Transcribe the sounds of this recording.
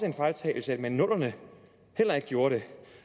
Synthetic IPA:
səe̝nfɑt͡sʰɛ̰ɪl̩səæd̥mænːɔ̽l̰ɐnə | hel̰ɐe̝ɡ̥əɡjo̝ːɐɾ̥e̝

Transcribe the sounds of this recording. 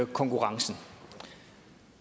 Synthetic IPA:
kʰɔ̽ŋkʰuʁɑ̈ŋsn̩

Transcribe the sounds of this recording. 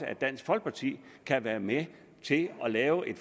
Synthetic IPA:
əæd̥æn̰sɡ̥fɒ̽l̰ɡ̥̚pʰɑ̈t͡sʰḭːkʰæʋæːɐme | t͡sʰe̝lɒ̽lɛːʊʔe̝d̥f

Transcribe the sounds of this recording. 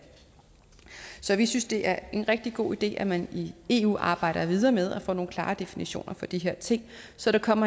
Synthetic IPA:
sɒ̽ʋisynsd̥e̝ʔæɐe̝nʁɛɡ̥̚d̥iɡ̥o̝̰ːid̥e̝̰ːʔæmænie̝ːṵːʔɑ̈ːb̥ɑ̈ɪ̰ɾ̥ɐʋið̞ˠɐːmeð̞ˠæfɔ̰ːno̝ːnkʰlɑ̈ːd̥e̝finiɕo̝̰ːnʔɐfɒ̽d̥iɦeɐ̰t͡sʰe̝ŋ̰sɒ̽ɾ̥ɑ̈kʰɒ̽m̰ɐ

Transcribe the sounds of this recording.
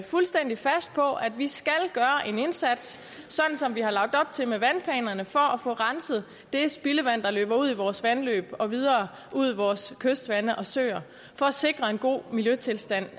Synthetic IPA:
fulsd̥en̰d̥ifæsd̥̚pʰɒ̽ʔædʋisɡ̥ælɡ̥ɶːɐʔe̝ne̝nsæd̥sː | ɒ̽d̥n̩sɒ̽mʋihɑ̈lɑ̈ɡ̥̚d̥ɒ̽b̥t͡sʰe̝lmeʋænpʰlɛ̰ːnɐnəfɒ̽æfɔ̰̽ːʁɑnsð̞̩ˠ | d̥e̝sb̥iləʋæn̰d̥ɑ̈lø̰ːb̥ɐuð̰ˠiʋɒːsʋænlø̰ːb̥ɒ̽ʋið̞ˠɐː | ʔuð̰ˠiʋɒːskʰøsd̥ʋænəʔɒ̽sø̰ːɐ | fɒ̽æse̝ɡ̥ʁɐe̝nɡ̥o̝̰ːmiljøt͡sʰe̝lsd̥æn̰

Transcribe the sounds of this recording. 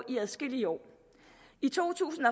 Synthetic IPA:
ʔiæðˠsɡ̥e̝liəɒ̰ː | it͡sʰo̝̰ːt͡sʰṵːsn̩ɒ̽

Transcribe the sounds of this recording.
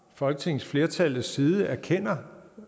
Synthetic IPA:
fɒ̽lɡ̥ət͡sʰe̝ŋ̰̩sfle̝ːɐt͡sʰælð̩sːiːðˠəæɐkʰen̰ɐ

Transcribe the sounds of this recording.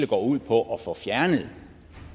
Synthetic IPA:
ləɡ̥ɒ̰ːuð̞̰ˠpʰɒ̽ʔɒ̽fɒ̽fjæɐnəð̩ˠ

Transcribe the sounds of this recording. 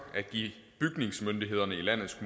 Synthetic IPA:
æɡ̥ḭː | b̥yɡ̥ne̝ŋsmønd̥ie̝ð̞̰ˠɐnəilæn̰ð̩ˠsɡ̥m

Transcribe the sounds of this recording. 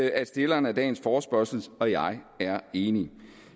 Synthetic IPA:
æ̥sd̥e̝lɐːnæd̥ɛ̰ːn̩sfɒːsb̥ɶɐsl̩sɒ̽jɑ̈ɪ | æɐe̝ːni

